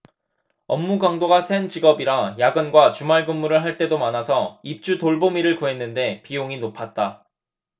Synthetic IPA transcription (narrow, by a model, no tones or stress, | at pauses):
ʌmːuɡaŋdoɡasʰent͡ɕiɡʌbiɾajaɡɯnɡwat͡ɕumaɭɡɯmːuɾɯɭɦaɭt͈e̞domanasʰʌip̚t͡ɕ͈utoɭbomiɾɯɭkuɦe̞nːɯnde̞pijoŋinopʰat̚t͈a